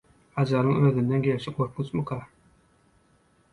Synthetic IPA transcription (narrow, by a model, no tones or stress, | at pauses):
ɑd͡ʒɑɾɯŋøðynd̪enɡʲe̞lʃiɡoɾkʰut͡ʃmukʰɑ